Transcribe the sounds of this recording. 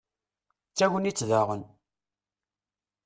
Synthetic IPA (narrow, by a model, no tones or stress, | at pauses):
t͡sːæʝənit͡sːðaʁən